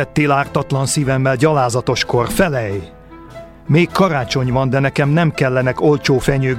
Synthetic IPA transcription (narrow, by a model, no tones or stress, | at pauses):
ɛt̪ːeːlaːrt̪ɒt̪lɒnsiːvɛmːɛlɟɒlaːzɒt̪o̞ʃko̞rfɛlɛj | meːkʰːɒɾaːt͡ʃo̞ɲvɒnd̪ɛnɛkɛmnɛmkɛlːɛnɛko̞lt͡ʃoːfɛɲøː